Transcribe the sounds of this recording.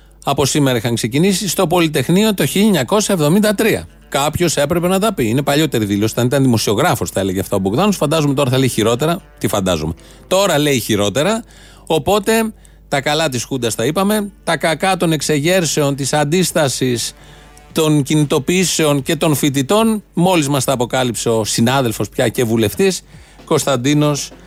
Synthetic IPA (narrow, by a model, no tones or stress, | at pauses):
ɐpo̞simeɾɐixɐŋkse̞cinisist̪o̞po̞lit̪e̞xnio̞t̪o̞çiʎɐɲɐko̞sɐevðo̞mind̪ɐt̪ɾiɐ̰ | kɐpço̞se̞pɾe̞pe̞nɐt̪ɐpiine̞pɐʎo̞t̪e̞ɾiðilo̞sot̪ɐnit̪ɐnðimo̞sio̞ɣɾɐfosθɐe̞leʝeɐft̪ɐoboɣðɐno̞sfɐnd̪ɐzumet̪oɾɐθɐleiçiɾo̞t̪e̞ɾɐt̪ifɐnd̪ɐ̰zo̰me̞ | t̪o̞ɾɐle̞içiɾo̞t̪e̞ɾɐ | o̞po̞t̪e̞ | t̪ɐkɐlɐt̪isxud̪ɐst̪ɐipɐme̞t̪ɐkɐkɐt̪o̞ne̞kse̞ʝe̞ɾse̞o̞nt̪̬isɐnd̪ist̪ɐsis | t̪o̞ncinit̪o̞piise̞o̞nce̞t̪o̞nfit̪̬it̪o̞nmo̞lizmɐsθɐːpo̞kɐlipse̞o̞sinɐðe̞lfo̞spçɐce̞vule̞ft̪is | ko̞st̪ɐnd̪ino̞s